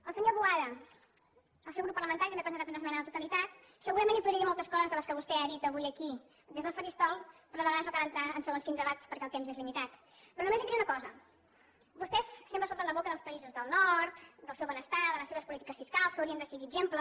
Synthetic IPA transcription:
əlˠsəɲoβuaðə | əlˠsɛwɣɾupəɾlˠəmənt̪aɾit̪əmepɾzenat̪unəsmɛnəðət̪ut̪əlit̪at̪̚ | səɣuɾəmẽnipuðɾiəðimɔlˠt̪əskɔzəzðələskəβust̪ɛaðit̪əβujəki | d̪ezðəlˠfəɾist̪ɔlˠpɾɔðβəɣasokaðənt̪ɾaənsəɣonskinzðəβat̪spəɾkɛəlˠt̪emzezlimit̪at̪ | pɾɔnumezəkiunəkɔzə | bust̪ɛssempɾəsop̪ənləβokəðəlˠspəizuzðəlˠnɔɾt̪d̪əlˠsewβənəst̪aðələseβəspulit̪ikəsfiskalˠskəwɾiənd̪əsiɣiʒemplə

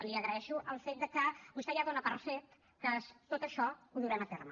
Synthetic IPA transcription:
liəɣɾəɛʃuʔəlˠfet̪̚d̪əkəbust̪ɛjaðonəpərset̪ | kəst̪ot̪əʃɔuðuɾɛmət̪ermə

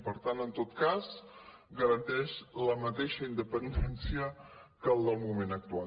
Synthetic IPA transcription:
pəɾt̪anənt̪ot̪kasɡəɾənt̪ɛʃləmət̪eʃəind̪əpənd̪ɛnsiəkəlˠd̪əlˠmumenək̚t̪ua

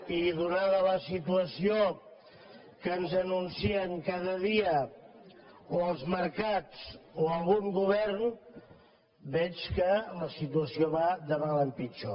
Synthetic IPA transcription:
iðunaðələsit̪uəsio | kənzənunsiəŋkaðəðiə | oəlˠzməɾkat͡soəlˠɣuŋɡuβ̞ɛrn | bɛt͡ʃkələsit̪uəsioβad̪əβaləmpit͡ʃo

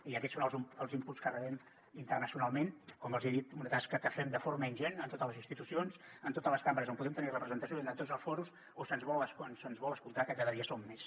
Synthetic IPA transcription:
iəkɛtsonəlˠzuməlˠzimpuskərəβɛm | int̪ərnəsiunalˠmenkɔməlˠzeðit̪unət̪askət̪əfɛmd̪əfoɾməinʒɛnənt̪ot̪ələzinst̪it̪usionzənt̪ot̪ələskaməɾəzompuðɛmt̪ənirəpɾəzənt̪əsjoenət̪ozəlˠsfɔɾus | osənzβɔləsknsənzβɔlˠəskulˠt̪akəkaðəðiəsomːes

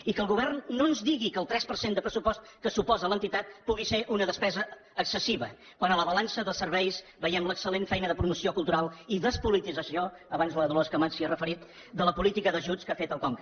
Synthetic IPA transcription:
ikəlˠɣuβ̞ɛrnːoənzdiɣikəlˠt̪ɾɛspəɾsend̪əpɾəsupɔst̪kəsupɔzələnt̪it̪at̪̚puɣiseʔunəðəspɛzəː | ksəsiβə | kwanələβəlansəðəsərβɛjsbəjɛmləksəlenfɛjnəðəpɾumusiokulˠt̪uɾalˠiðəspulit̪izəsio | əβanzləðloskəmasiərəfəɾit̪ | d̪ələpulit̪ikəðəʒuskafet̪əlˠkɔŋk

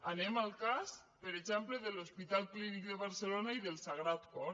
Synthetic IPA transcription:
anemalˠkas | pəɾeʒɛmpleðelospit̪alˠklinik̚d̪eβaɾselonaiðelˠsaɣ̞ɾat̪kɔ

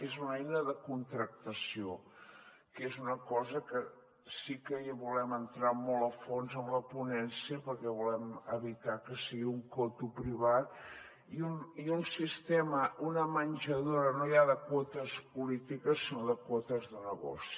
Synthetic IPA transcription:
ezunɛjnəðəkunt̪ɾək̚t̪əsio | kezunəkɔzəkə | sikəjβulɛmənt̪ɾamɔlˠəfonzəmləpunɛnsiəpəɾkɛβulɛməβit̪akəsiɣiuŋkɔt̪upɾiβat̪̚ | iuniunsist̪ɛməʔunəmənʲʒəðoɾənojaðəkwɔt̪əspulit̪ikəsːinoðəkwɔt̪əzðənəɣɔ̰si̥

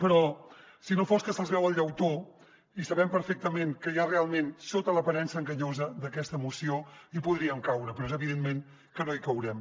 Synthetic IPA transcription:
pəɾɔ | sinofoskəsəlˠzβɛwəlˠʎəwt̪o | isəβɛmpəɾfek̚t̪əmeŋkəjarealˠmensot̪ələpɐɾɛnsəŋɡəɲozəd̪əkɛst̪əːmusioipuðɾiəmkawɾəpɾɔezəβiðenmeŋ | kənoikəwɾɛm

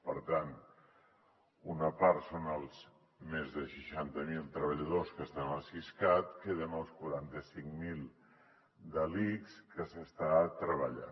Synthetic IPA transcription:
pə̰ɾt̪an | unəpaɾt̪sonəlˠz | mezðəʃəʃant̪əmilˠt̪ɾəβəʎəðoskəst̪anəsiskat̪keðənəlˠskuɾant̪əsiŋmilˠ | d̪əlikskəsəst̪at̪ɾəβəʎa̰n

